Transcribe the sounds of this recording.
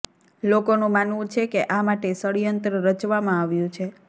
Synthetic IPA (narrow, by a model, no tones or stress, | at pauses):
lokonũmanʋũt͡ʃʰekeʔamaʈesəɽijənt̪ɾəɾət͡ʃʋamãaʋjũt͡ʃʰe